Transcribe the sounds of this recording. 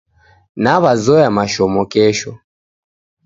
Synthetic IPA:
naβazɔjamaʃɔmɔkɛʃɔ

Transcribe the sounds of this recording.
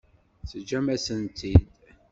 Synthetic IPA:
θəd͡ʒæmæsənt̪ʰid̪

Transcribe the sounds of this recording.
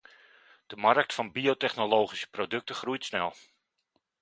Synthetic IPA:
d̥əmark̚tfɑnbiotɛχnoloːχisə̥prodɵk̚təχrujtsnɛ̰lˠ

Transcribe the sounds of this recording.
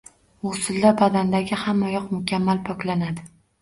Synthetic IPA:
ʊsɪlːabad̪and̪aɡʲɪhamːajɒqmʊkʲʰamːalpʰɒkʲlanad̪ɪ

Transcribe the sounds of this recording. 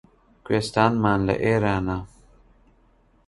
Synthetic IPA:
kwest̪aːnmaːnlḛʔeːɾaːna

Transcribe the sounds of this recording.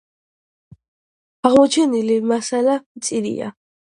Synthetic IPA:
aʁmɔt͡ʃʰɛnilimasalamt̪sʼiɾḭa̰

